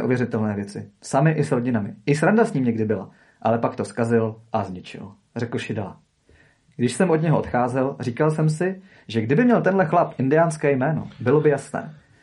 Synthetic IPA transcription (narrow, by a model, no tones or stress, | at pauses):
ʔṵvjɛɾɪt̪ɛlnɛːvjɛt͡sɪsamɪʔɪsɾoɟɪnamɪʔɪsɾandasɲiːmɲɛɡdɪbɪla̰ | ʔalɛpakt̪o̞skazɪlʔazɲɪt͡ʃɪ̰l | rɛkl̩ʃɪdɛla̰ | ɡ̥dɪʃsɛmʔodɲɛɦoot̪xaːzɛlriːkalsɛmsɪ | ʒɛɡdɪbɪmɲɛlt̪ɛnɦlɛxlapʔɪndɪjaːnskɛːjmɛːno̞̰bɪlo̞bɪjasnɛ̰ː